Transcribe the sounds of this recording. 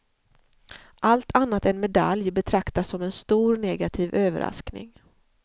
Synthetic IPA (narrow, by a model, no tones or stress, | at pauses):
ʔalt̪ʰanːat̪ɛnmɛd̪a̰ljbɛt̪ʰɾakt̪asːɔmɛnst̪uːɾnɛɡat̪ʰiːvøːvə̰ɾa̰sknɪ̰ŋ